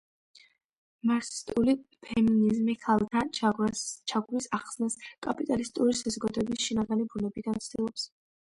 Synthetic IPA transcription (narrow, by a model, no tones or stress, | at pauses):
maɾsi̥st̪ʼulipʰɛminizmiχʰalˠt̪ʰa | t͡ʃʰaɡwisaχsnaskʼapʼit̪ʼalist̪ʼuɾisazɔɡad̪ɔɛbisʃinaɡanibunɛbid̪ant̪sʰd̪ilˠɔps